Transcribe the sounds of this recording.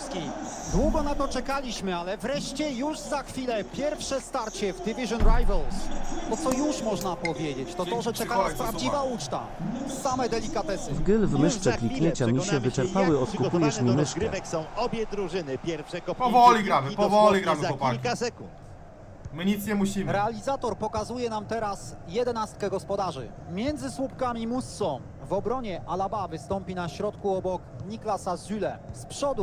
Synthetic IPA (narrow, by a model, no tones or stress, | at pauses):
skʲid̪wuɡɔnat̪ɔt͡ʂɛkalʲiɕmɘalɛvɾɛʂt͡ɕɛjuʐzaxfʲilɛpʲjɛɾfʂɛst̪aɾt͡ɕɛvd̪ivʲiʐɔnɾajvɛlsb̪ɔt̪sɔjuʂmɔʐnapɔvʲjed͡ʑet͡ɕt̪ɔt̪ɔʐɛt͡ʂɛkaaspɾavd͡ʑivaut͡ʂt̪a̰ | samɛd̪ɛlʲikat̪ɛsɘvɡɘlvmɘʂt͡ʂɛklʲikɲeɲt͡ɕamʲiɕɛvɘt͡ʂɛɾpawɘɔt̪̚kupujɛʂmʲimɘzʂkɡɾɘvɛksɔ̃w̃ɔbʲjɛd̪ɾuʐɘnɘpʲjɛɾfʂɛkɔppɔvɔlʲiɡɾampɔvɔlʲiɡɾamaɔakasɛkṵnt̪ | mɘɲit̪sɲɛmuɕimɾɛalʲizat̪ɔɾpɔkazujɛnamt̪ɛɾasjɛd̪ɛnast̪̚kɛɡɔspɔd̪aʐɘ̰ | mʲjɛnd̪zɘswupkamʲimust̪sɔ | vɔbɾɔɲɛʔalabavɘst̪ɔmpʲinaɕɾɔt̪kuɔbɔkɲiklasazʲylɛspʂɔd̪u